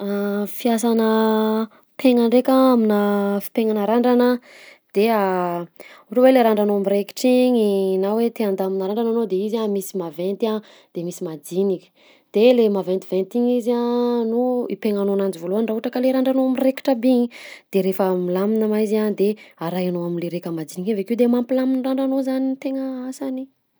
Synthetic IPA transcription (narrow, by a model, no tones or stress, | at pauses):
afiasanə | pʰeŋaɳɖ͡ʐekʲaaminafi̥peŋanəɾaɳɖ͡ʐanə | d̪̥ea | uʈ͡ʂəweleɾaɳɖ͡ʐanoamireki̥ʈ͡ʂiŋinawet̪eand̪aminaɾaɳɖ͡ʐananod̪eizamisimavent̪a | d̪̥emisimad͡z̪inikʲə̥ | d̪̥elemavent̪ivent̪iŋizanuipeŋanonand͡ʒivoluanɳɖ͡ʐaɦuʈ͡ʂakəleɾaɳɖ͡ʐanoamireki̥ʈ͡ʂəbiɲid̪̥eɾefəmilaminəmaizand̪eaɾajanoaminleɾekəmad͡z̪inikavekiwd̪emampilaminraɳɖ͡ʐanozanit̪eŋəasani